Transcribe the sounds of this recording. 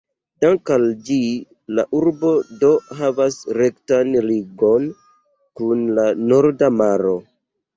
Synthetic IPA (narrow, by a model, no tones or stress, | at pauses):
daŋkald͡ʒi | la̰ʔuɾbo̞do̞ɦavasɾe̞ktanɾiɡo̞n | kunlano̞ɾdamaɾo̞